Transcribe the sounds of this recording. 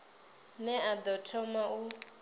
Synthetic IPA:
nɛad̪ɔtʰɔmau

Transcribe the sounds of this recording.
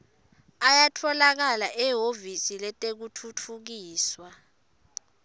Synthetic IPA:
ajatʰɔlak̬alaʔɛɦovisilɛtʼek̬utʰutʰuk̬iːswa

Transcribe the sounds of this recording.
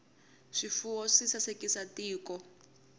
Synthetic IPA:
ʂifuɔʂisasekisatiːkɔ

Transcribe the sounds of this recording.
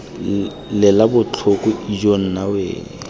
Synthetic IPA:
lɛlabʊt͡ɬʰʊkʼʊid͡ʒon̩nawḛːŋɛ

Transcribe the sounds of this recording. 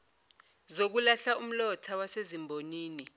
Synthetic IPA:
zok̬ulaɬaum̩lɔtʰawasezimbʱoniːni

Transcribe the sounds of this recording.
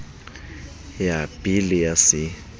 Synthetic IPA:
jab̥ilɪjasɪ

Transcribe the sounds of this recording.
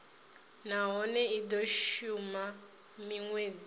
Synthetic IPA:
naɦɔnɛidɔʃuma | miŋweːd͡zi

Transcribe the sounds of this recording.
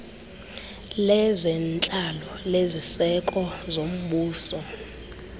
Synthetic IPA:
lɛzɛnt͡ɬʼalɔlezisɛkʼɔzom̩ɓuːsɔ

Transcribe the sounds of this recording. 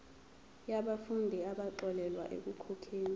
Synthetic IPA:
jaɓafundʱiaɓaǃɔlɛlwa̰ʔḛk̬ukʰɔkʰeːni

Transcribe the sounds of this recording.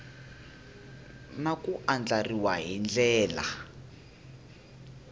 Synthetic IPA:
nakuʔand͡ɮariwa̰ɦind͡ɮɛːla̰

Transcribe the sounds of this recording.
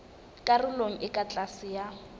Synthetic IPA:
kʼarɪloŋ̩ʔɪkʼat͡ɬʼasɪja

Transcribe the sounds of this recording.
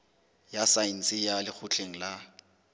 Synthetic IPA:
jasain̩sʼɪjalɪk͡xʰʊt͡ɬʰʼeŋ̩la

